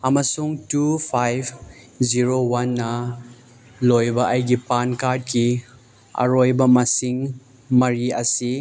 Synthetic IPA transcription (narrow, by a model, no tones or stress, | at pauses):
ɐmɐsuŋtupʰajb | ziɾowanːɐ | lojbɐʔɐjɡipankaɾd̚ki | ɐ̰ɾojbɐmɐsiŋ | mɐɾiɐsi